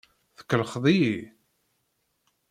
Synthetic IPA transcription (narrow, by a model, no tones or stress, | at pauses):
θə̥kːəlχðˤiji